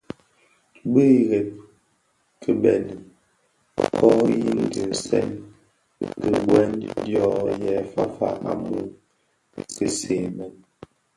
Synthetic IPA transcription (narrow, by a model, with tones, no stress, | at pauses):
bə˦˨ɣe˨p̚ | kʰə˨bɛ˨n˨ | kʰɔ˦ji˦ŋdə˨sɛ̰˦n | kə˨ɡwɛ˦ndjɔ˦jɛ˨fa˦fa̰˦ʔa˨mu˦ | kə˨se˨mɛ˨n